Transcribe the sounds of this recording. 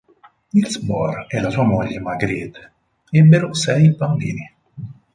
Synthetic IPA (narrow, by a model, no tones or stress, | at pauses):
ilsbɔ̰rɛlasuːamoʎːemaɡɾid̪ | ɛbːeɾosɛjbambḭːni